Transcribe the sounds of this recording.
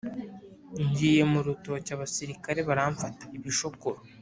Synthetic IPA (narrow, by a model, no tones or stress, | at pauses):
ɲɟiːje̞muɾutocaːβasiɾikaɾe̞βaɾaːɱfatḁiβiʃo̞koɾo